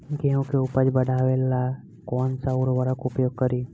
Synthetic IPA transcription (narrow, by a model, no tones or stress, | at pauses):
ɡeũkeʊpəd͡ʒbəɽʱaːʋela | kɔːnsauɾʋəɾəkʊpjoːɡ̚kəɾiː